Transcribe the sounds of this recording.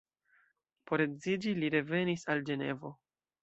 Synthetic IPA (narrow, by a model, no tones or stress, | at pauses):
po̞ɾed͡zzid͡ʒiliɾe̞ve̞nisald͡ʒe̞ne̞̰vo̞